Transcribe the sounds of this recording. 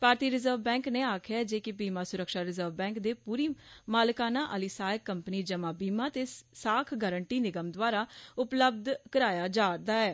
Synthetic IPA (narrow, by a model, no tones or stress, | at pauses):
paːɾt̪iːɾɪzəɾʋbɛ̃ːŋkneːaːkʰjad͡ʒeːkɪbiːmaːsʊɾəkʃaːɾɪzəɾʋbɛ̃ːŋkd̪eːpuːɾiːmaːlkaːnãːʔəliːsaːjəkːəmpniːd͡ʒəmãːbiːmãːt̪eːsaːkʰɡəːɾəɳʈiːnɪɡəmd̪ʋaːɾaːʊpləb̚d̪kəɾaːjaːd͡ʒaːɾd̪aːɛː